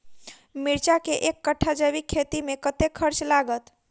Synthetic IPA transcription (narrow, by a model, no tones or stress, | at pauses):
miɾt͡ʃakeʔekːəʈʰːad͡ʒəβikʰːet̪imekət̪ekʰːəɾt͡ʃlaɡət̪